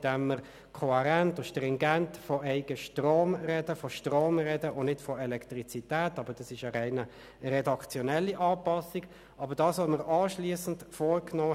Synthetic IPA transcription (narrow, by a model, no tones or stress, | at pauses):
d̥ɛmːəʁ | kʰɔhɛʁæntʊʃtʁɪŋɡæntfɔʔɛɪɡ̥əʃtʁoːmʁɛd̥əfɔʃtʁoːmʁɛdəʔonɪtfɔɛlɛktʁit͡sitæːtɑːbəd̥ɑsɪʃəʁɛɪnə | ʁɛdɑkt͡sjɔnɛlːiʔɑːpɑsiɡ | ɑbəɾdɑːsʋoməɾɑːʃliːəsən̩tfoːɾknɔː